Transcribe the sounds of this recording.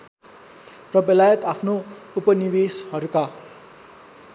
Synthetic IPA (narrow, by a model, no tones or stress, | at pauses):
rʌbʌlajʌt̪apʰnoupʌniweshʌɾuka